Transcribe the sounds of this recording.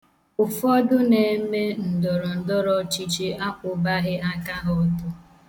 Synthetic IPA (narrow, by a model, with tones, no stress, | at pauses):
ʊ˨fɔ˦dʊ˦ne˨˦me˦n̩˨dɔ˨ɾɔ˨n̩˨dɔ˦ɾɔ˦t͡ʃi˦t͡ʃi˦a˦kʷʊ˨ba˦ɣɪ˦a˦ka˦ɦʊ˦tʊ˦